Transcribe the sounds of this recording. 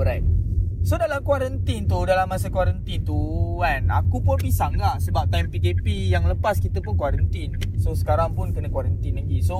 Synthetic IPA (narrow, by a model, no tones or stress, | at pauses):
ɔɾajt̚sodalamkwaɾənt̪int̪udalamːasəkwaɾənt̪int̪uanakupunpisaŋɡasəbap̚t̪ajmpikepijaŋləpaskit̪əpunkwaɾənt̪insosə̥kaɾaŋpunkənəkwaɾənt̪inlaɡiso